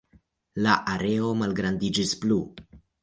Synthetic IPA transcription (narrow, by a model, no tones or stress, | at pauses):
laʔaɾe̞o̞malɡɾandid͡ʒisplu